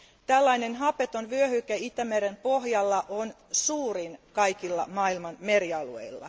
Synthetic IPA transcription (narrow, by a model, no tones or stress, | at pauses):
t̪ælːɑinenɦɑpet̪onʋyøhykæit̪æmeɾempo̞hjɑlːɑʔon | suːrinkɑikilːɑ̰mɑːilmɑnmeɾiɑluḛilːɑ̰